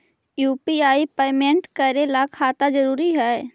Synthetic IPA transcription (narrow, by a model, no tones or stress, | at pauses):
juːpiaːipeːmẽɳʈkəɾelakʰaːt̪ad͡ʒəɾuːɾiɦɛː